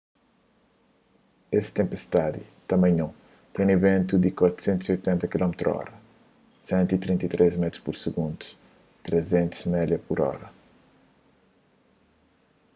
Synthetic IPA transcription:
est̪ẽmpest̪ad̪it̪ɐmɐ̃j̃ɲõ | t̪ɛ̃j̃ivẽnt̪ud̪ikwat̪ɾu̥sẽnt̪uziojt̪ɛ̃nt̪ɐkilɔmt̪ɾuɔ̰ɾɐ | sɛ̃nt̪uit̪ɾĩnt̪ɐt̪ɾʔezmɛt̪ɾu̥spuɾsɨɡũnd̪u̥s | t̪ɾezẽnt̪u̥zmɛd̪jɐpuɾɔ̰ɾɐ

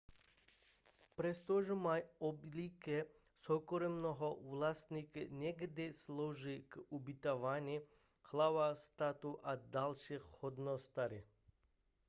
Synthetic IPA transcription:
pɾɛst̪ɔʒmajɔblikɛ | sɔkɔɾɛmnɔɦɔʋlast̪niknʲɛɡd̪ɛslɔʒikubit̪aʋanʲi | xlaʋast̪at̪uʔad̪alʃixhɔd̪nɔst̪aɾi

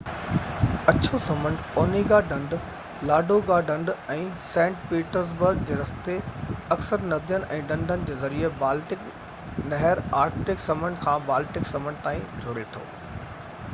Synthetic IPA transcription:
ɐt͡ɕʰosɐmə̃ɳɖɔːniɡaɖɐ̃ɳɖ | laːɖʱoɡaɖɐ̃ɳɖɛ̃ːsɛ̃ːɳʈpiːʈəɾs̬bəɾɡd͡ʑeːɾɐst̪eɐksəɾnɐd̪ijənɪ̆ʔɛ̃ːɖɐ̃ɳɖʱənɪ̆d͡ʑeːzɐɾiebaːlʈɪk | nɐɦəɾaːɾkʈɪksɐmə̃ɳɖkʰãːbaːlʈɪksɐməɳɖt̪aːĩd͡ʑʱoɾet̪ʰo̰ː

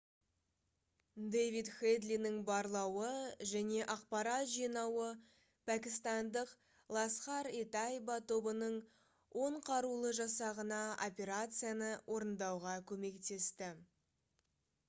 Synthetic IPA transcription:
d̪ejvit̪χed̪lʲinɪŋbɑɾlˠɑwəʒæne̞ʔɑq̚pɑɾɑt̪ʒijnɑwə | pʰækʲɪst̪ɑnd̪əq | lˠɑsχɑɾet̪ajbat̪ʰo̞bənəɴ | wʔo̞ɴqʰɑɾulˠəʒɑsɑʁənɑʔo̰pʲe̞ɾat̪sɨjanəwʔo̞ɾənd̪ɑwʁɑkʲʰɵme̞kt̪e̞st̪ɪ

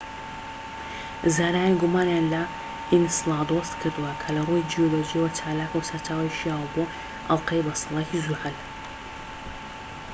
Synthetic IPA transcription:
zaːɾaːjiɡumaːnjaːnlɐ | ʔinsɨlˠɑd̪ost̪kʰɨɾd̪ɨwɐkʰɐlɐrujd͡ʒijolod͡ʒijwɐt͡ʃʰaːlaːkɐwsɐɾtʰaːwijʃijawbo | ʔɐlqɐjbɐsɨlˠɑkizuhɐl

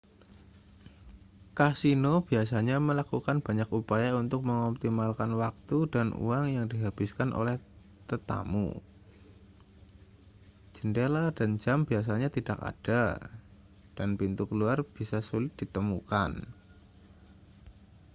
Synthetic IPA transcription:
kasinob̥ias̬aɲaməlakukanb̥a̤ɲakupajaunt̪ʊk̚məŋɔp̚t̪imalkanwak̚t̪udanʔṵaŋjaŋdiɦab̥ɪskanʔo̰lɛh | t̪ət̪a̰mṵ | d͡ʒ̥əndeladand͡ʒambias̬aɲat̪id̥aka̰d̥a | d̥anpint̪ukəluarb̥isasulɪt̪̚d̥it̪əmuka̰n

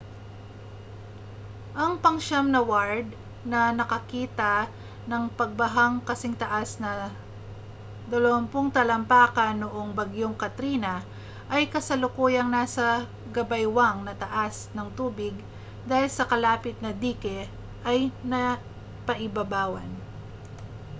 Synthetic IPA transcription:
ʔɐŋpɐŋʃamnɐwaɹd̪̚ | nɐnɐkɐkiːt̪ɐ | nɐŋpɐɡ̚bɐɦaŋkɐsɪŋt̪ɐʔasnɐ | d̪ɐlowɐmpoŋt̪ɐlɐmpaːkɐnʊʔoŋbɐɡjoŋkɐt̪ɾiːnɐ | ʔɐjkɐsɐlʊkuːjɐŋnasɐ | ɡɐbɐjwaŋnɐt̪ɐʔasnɐŋt̪uːbɪɡ̚ | d̪aːhɪlsɐkɐlaːpɪt̪̚nɐd̪iːkɛ | ʔɐjnɐ | pɐʔɪbɐbaːwɐ̰n

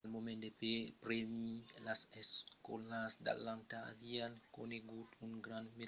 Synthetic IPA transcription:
lmomẽnd̪epepɾemilaseskkolasd̪a̰lant̪a̰ːviankoneɡut̪uŋɡɾanme

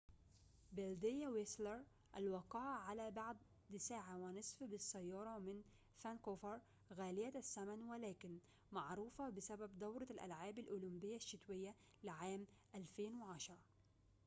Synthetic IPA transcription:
beld̪ɪjːawɪslɪɾ | ʔalwɑqɑːʕʕalaːbaʕd̪ | d̪saːʕawɪnɨsˤfbɪsˤːɑjːɑːɾˤɑmɪn | fankoːfɑɾˤ | ɣaːlɪjasːamanwɪlæːkɪn | maʕɾuːfɑbɪsababd̪ɑwɾˤɑlʔa̰lʕaːbalʔʊlʊmbɪjːaʃːɪt̪wɪjːa | lɪʕaːmʔalfeːnwɪʕɑʃɑɾˤ

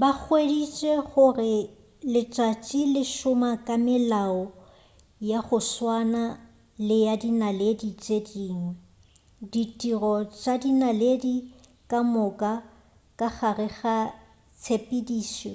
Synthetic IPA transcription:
bak͡xʰwedit͡ʃʼeχʊrɪ | lɪt͡ʃʼat͡ʃʼilɪʃʊmakʼamɪlaɔ | jaχʊswana | lɪjadinaledit͡ʃʼediːŋwɛ | ditʼirɔt͡ʃʼadinaledi | kʼamʊkʼa | kʼaχarɪχa | t͡sʰepʼidiːsḛ

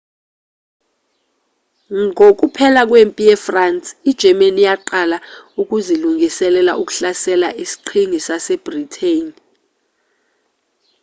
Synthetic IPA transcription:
ŋʱok̬ʼupʰɛlak̬wempʼijɛfransʼid̥ʒ̥ʱɛmenijaǃalauk̬ʼuziluŋɡʱisɛlɛla̰ʔuk̬ʼu̥ɬasɛlaʔisi̥ǃʰiŋisasɛb̥ritʰen

